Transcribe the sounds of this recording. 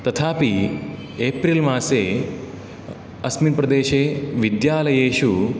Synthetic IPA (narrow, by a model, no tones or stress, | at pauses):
t̪ɐt̪ʰaːpi | eːpɾiːlmaːseː | ɐsminpɾɐd̪eːʃeːʋid̪jaːlɐjeːʃu